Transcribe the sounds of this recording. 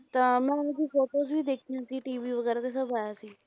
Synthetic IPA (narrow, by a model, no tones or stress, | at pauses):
t̪əmaad͡ʑiːfoʈos̬ʋiːd̪ekʰinãt͡ɕiːʈiʋiːʋəɡəɾat͡sesəbʱajasi